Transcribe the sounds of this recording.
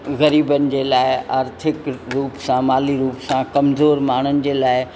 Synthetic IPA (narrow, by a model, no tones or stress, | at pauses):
ɣɐɾiːbənɪ̆d͡ʑeːlaːɪaːɾt̪ʰɪkɾuːpsãmaːliɾuːpsãkɐmzoːɾmaːɳ̤̃ənɪ̆d͡ʑeːlaːɪ